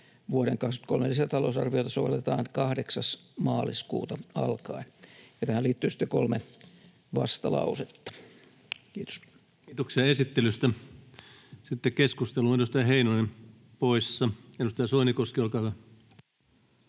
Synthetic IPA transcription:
ʋuoɾeŋkɑkst̪kolmelisæt̪ɑlosɑrʋijot̪ɑsoʋelːet̪ɑːnkɑhdeksɑsmɑːliskṵːt̪ɑɑ̰lkɑinjɑt̪æhæliːt̪ːyːsi̥t̪ːekolme | ʋɑst̪ɑlɑ̰uset̪ːɑ̥ | kiːt̪o̥s | it̪oksiɑesit̪ːelyst̪æ | sit̪ːekkeskust̪eluenust̪ɑjɑheinonem | poisːɑenust̪ɑjɑsoinikoskiolkɑˑːyʋæ

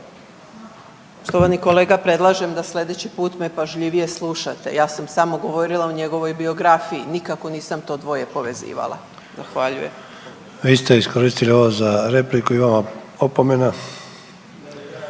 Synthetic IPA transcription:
ost̪oʋaniko̞leːɡapɾe̞d̪lˠaʒe̞md̪aslʲe̞d̪et͡ɕipuːt̪mepaʒʎiʋije̞slˠuʃat̪e̞̰jaːsamsamoɡo̞ʋo̞ɾilˠauɲe̞ɡo̞ʋo̞jbio̞ɡɾafiinikako̞niːsamt̪o̞d̪ʋo̞je̞po̞ʋe̞zḭːʋa̰lˠa̰ | zaxʋaʎṵjem | ʋiːst̪eiskoɾist̪ilioʋozaɾe̞plikuiʋama | opomena

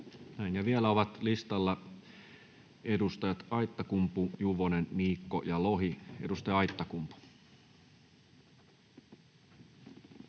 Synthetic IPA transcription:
næinjɑʋielæoʋɑt̪list̪ɑlːɑ | e̞dust̪ɑjɑt̪ɑjt̪ːɑkumpujuʋonenːiːkːojɑloɦie̞dust̪ɑjɑɑjt̪ːɑkumpu̥

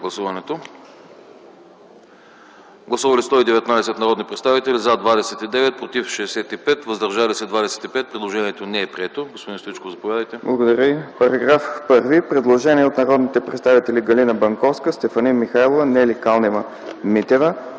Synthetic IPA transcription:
ɡlˠɐsuvɐnɛt̪o | ɡlˠɐsuvɐlist̪ɔid̪ɛvɛt̪naɛsɛt̪nɐɾɔd̪nipɾɛt̪st̪avit̪ɛlizad̪vad̪ɛsɛt̪id̪ɛvɛt̪̚pɾot̪ifʃɛːsɛt̪ipɛt̪vəzd̪ɐɾʒalisɛd̪vad̪ɛsɛ̥t̪ipɛt̪̚pɾɛd̪lˠoʒɛniɛt̪onɛːpɾiɛt̪oɡospod̪inst̪oit͡ʃkozɐpovjad̪əjt̪ɛblˠɐɡod̪əɾʲəipɐɾɐɡɾafpɤɾvipɾɛd̪lˠoʒɛniɛot̪nɐɾɔd̪nit̪ɛpɾɛt̪st̪avit̪ɛliɡɐlinəbɐŋkɔfskəst̪ɛfɐninmixajlˠovənɛlikalˠnɛmə | mit̪ɛvə

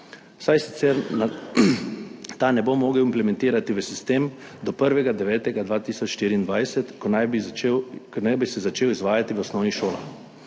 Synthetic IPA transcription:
sajsi̥t̪sɛɾna | t̪anɛbomɔːɡɛwimplɛmɛ̃nt̪iːɾat̪iʋəsist̪eːm | d̪ɔpəɾʋɛɡad̪ɛʋɛːt̪ɛɡad̪ʋaːt̪iːsɔt͡ʃʃt̪iːɾiːnd̪ʋajsɛt̪kna | knajbisɛzat͡ʃeːwizʋaːjat̪iʋɔsnɔːʋiʃoːla̰

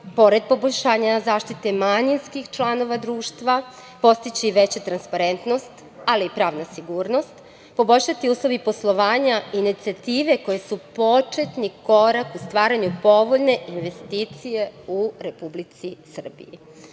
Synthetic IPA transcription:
po̞ɾe̞d̪̚po̞bo̞ʎʲʃaːɲazaːʃt̪it̪emaɲinskixt͡ʃlˠano̞ʋad̪ɾuːʃt̪ʋa | po̞st̪it͡ɕiʋe̞t͡ɕat̪ɾanspaɾe̞nt̪no̞st̪ | aliːpɾaːʋnasiɡuːɾno̞st̪ | po̞bo̞ʎʲʃat̪iuːslˠo̞ʋipo̞slˠo̞ʋaːɲaiːnit̪siat̪iːʋe̞ko̞jesupo̞t͡ʃe̞t̪niko̞ɾakust̪ʋaːɾaɲupo̞ʋoʎne̞ʔinʋe̞st̪iːt̪sije̞uɾe̞publit̪sisr̩bḭjḭ

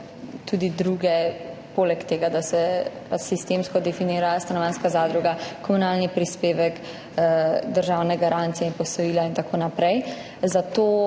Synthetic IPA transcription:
t̪ud̪id̪ɾuɡɛpoːlɛkt̪eːɡad̪asɛpat͡ʃsist̪emskɔd̪ɛfiniːɾast̪anɔʋanskazaːd̪ɾuɡakɔmunaːlnipɾispeːʋɛk | d̪əɾʒawnɛɡaɾant̪siɛinpɔsɔjiːlaint̪akʰoːnapɾɛj | zat̪oː

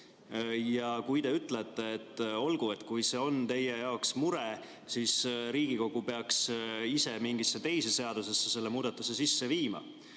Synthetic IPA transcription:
jɑkujd̪e̞yt̪ːˑlet̪ːe̞ːt̪ːˑo̞lɡ̥ue̞t̪ːˑkujse̞o̞nt̪e̞jejɑoksmuɾe | sisɾiːɡiko̞ɡ̥upe̞ɑksise̞miŋɡisːe̞t̪e̞jsese̞ɑd̪use̞sːese̞lːe̞muːd̪̥ɑt̪ːˑuse̞sisːe̞viːmɑ̰

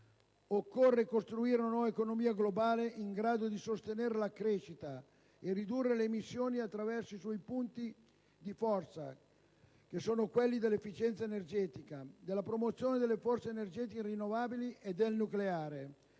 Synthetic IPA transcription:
okːorːekost̪ɾuiːɾenanɔːvaekonomiːaɡlobaːleʔiŋɡɾaːd̪od̪isost̪eneɾelakɾeːʃit̪a | erid̪urːeleːmisːjoːniat̪ːɾavɛrsoiswɔjpunt̪i | d̪ifɔrt̪sa̰ | k̟esoːnokwelːid̪elːefːit͡ʃɛnt̪saenerd͡ʒɛːt̪ikad̪elːapɾomot̪sjoːned̪elːefɔrt̪senerd͡ʒɛt̪ikeirinːovaːbiliʔed̪elnukleaːɾe

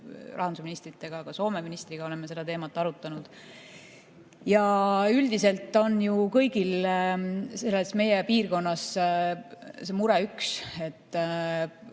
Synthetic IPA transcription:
rʔɑnsuminist̪rit̪ːˑe̞ɡ̥ɑːɡ̥ɑso̞ːme̞minist̪riɡ̥ɑo̞lemːe̞se̞d̪ɑt̪e̞ːmɑt̪ːˑɑɾut̪ːˑɑnud̪̥ | jɑyld̪ise̞lt̪ːˑo̞njukɤjɡ̥il | se̞lːe̞sme̞jepiːrko̞nːɑs | se̞muɾeykse̞t̪ː

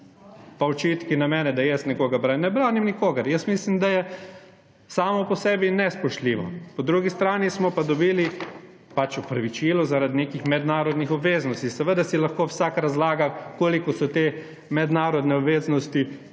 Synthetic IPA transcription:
paɔt͡ʃit̪kinamɛːnɛd̪ajɛsnɛkoːɡabɾanɛbɾaːnimnikoːɡɐɾjəst̪mislimd̪ajɛ | saːmɔpɔsɛːbinɛspɔʃt̪liːʋɔ̰pɔd̪ɾuɡist̪ɾaːnismɔpad̪ɔbiːli | pat͡ʃɔpɾaʋit͡ʃilɔzaɾad̪nekixmɛd̪naːɾɔd̪nixɔbʋeːznɔst̪isɛʋəd̪asilaxkoːwsaːkaɾazlaːɡakoːlikɔsɔt̪eː | mɛd̪naːɾɔd̪nɛɔbʋeːznɔst̪i

